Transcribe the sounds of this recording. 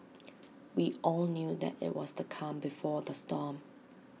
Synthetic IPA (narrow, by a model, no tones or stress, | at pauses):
wiɔlnjuðɛ̰tɪ̰ʔwɔstʰukʰãmbifɔðəstɔm